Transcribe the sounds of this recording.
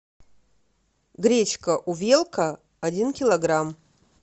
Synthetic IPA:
ɡɾʲe̞t͡ʃkʰɐʔuvʲelˠkʰɐː | dʲinkʲilˠɐɡram

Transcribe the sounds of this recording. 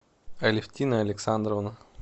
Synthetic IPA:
ɐlʲɪfʲt̪ʲinəɐlʲɪksand̪ɾəvnə

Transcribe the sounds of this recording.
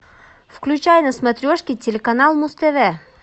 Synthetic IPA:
fklʲʉt͡ɕajnəsmɐt̪ɾʲoʂkʲɪtʲɪlʲekɐnalˠmʊst̪ɛvɛ

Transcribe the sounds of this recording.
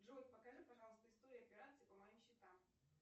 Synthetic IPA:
ʐot̪̚ʲpəkɐʐɨpɐʐɑlˠəst̪əɪst̪o̞ɾʲɪʊɐpʲɪɾat̪sɨpəmɐjimɕːɪt̪am

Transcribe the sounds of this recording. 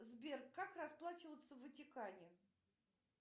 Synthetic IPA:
zbʲerkːakrɐsplˠat͡ɕɪvət̪səvətʲɪkanʲɪ

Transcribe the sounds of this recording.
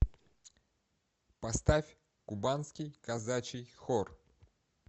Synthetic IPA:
pɐst̪afʲ | kʊbanskʲijkɐzat͡ɕɪjxɔr

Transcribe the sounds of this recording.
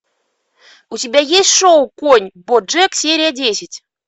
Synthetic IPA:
utʲɪbʲæjesʲtʲʂowkonʲbod͡ʐɛksʲeɾʲɪjadʲesʲɪtʲ

